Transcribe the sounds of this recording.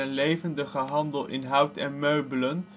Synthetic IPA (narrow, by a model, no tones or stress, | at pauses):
ənlejvəndəχəɦɑndəlˠɪ̰nɦʌwtɛnmøɥbələn